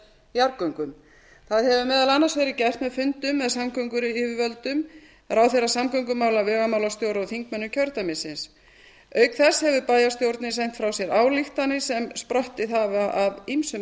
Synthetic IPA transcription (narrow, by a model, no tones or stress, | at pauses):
jaɾkœŋkʏm | θaðhɛvʏmɛːðalanːasvɛjɾɪcɛjr̥t̪mɛðfʏnt̪ʏmːɛðsamkʰœɥŋkʏɾɪvɪvœlt̪ʏm | ɾawθerasamkœŋkʏmaːwlavɛɣamawlast̪jowɾawθiŋkmɛnːʏcʰœɾt̪amɪsɪns | œɥkθɛshɛvʏpajast̪jowɾt̪nɪsɛjɲŋ̥t̪fɾawsjɛɾaːwliht̪anːɪsɛmspɾœht̪ɪθavaʔavimsʏ